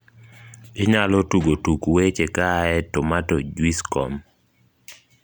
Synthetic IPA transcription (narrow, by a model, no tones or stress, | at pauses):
ɪɲalɔtuɡotukwet͡ʃɛkaɛtɔmatod͡ʒwiskɔ̰m